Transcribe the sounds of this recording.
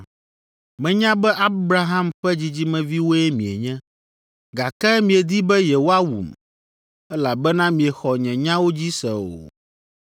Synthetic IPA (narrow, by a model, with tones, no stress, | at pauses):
mɛ̃˨ɲã˦bɛ˦ʔa˦bɾa˦ɦã˦mɸɛ˦d͡ʑi˦d͡ʑi˦mɛ̃˦vi˦wo˦ɛ˦mĩ˨e˨ɲɛ̃˦ | ɡa˨kɛ˦mĩ˨e˨d̪i˦bɛ˦jɛ˨wo˦a˦wṵ˨m | ɛ˦la˨bɛ˦nã˦mĩ˨e˨xɔ˨ɲɛ̃˨ɲã˦wo˦d͡ʑi˦sɛ̰˨o̰˨